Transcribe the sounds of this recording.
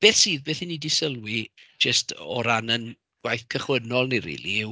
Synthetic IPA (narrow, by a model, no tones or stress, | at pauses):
b̥eːθsiːðbeːθinidisəlˠwid͡ʒəstʰɔ̰ɾanən | ɡ̥wajθkʰəχwənɔlˠniɾḭlˠḭɪw